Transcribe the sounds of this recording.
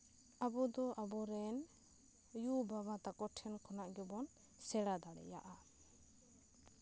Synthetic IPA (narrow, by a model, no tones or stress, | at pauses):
abɔd̪ɔʔabɔɾɛn | jubabat̪akɔʈʰɛnkʰɔnaʔɡɛbɔn | sɛɽad̪aɽɛ̰ja̰ʔa